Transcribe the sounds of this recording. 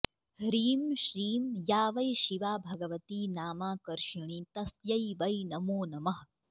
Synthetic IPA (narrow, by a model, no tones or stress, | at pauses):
hɾiːmʃɾiːmjaːʋɐjʃiʋaːbʱɐɡɐʋɐt̪iːnaːmaːkɐɾʃiɳ̃it̪ɐsjɐjʋɐjnɐmoːnɐmɐɦ